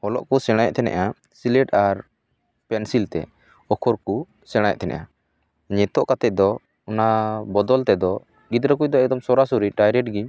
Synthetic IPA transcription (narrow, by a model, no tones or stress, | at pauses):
hɔlɔ̰ʔkusɛɽ̃ajɛ̰ʔ̚t̪ʰɛnɛ̰ʔa | silɛʈaɾ | pɛnsilt̪ɛ̰ | ɔkʰɔɾku | sɛɽ̃ajɛ̰ʔ̚t̪ʰɛnɛ̰ʔa | ɲɛt̪ɔʔkat̪ɛc̚d̪ɔ | ɔnabɔd̪ɔlt̪ɛd̪ɔ | ɡid̪ɾəkuc̚ˀd̪ɔɛɡ̚d̪ɔmsɔɾasuɾiʈajɾɛʈɡi